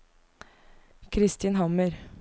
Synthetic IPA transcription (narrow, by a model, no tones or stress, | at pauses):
kʰɾɪst̪ʰiːnɦɑməɾ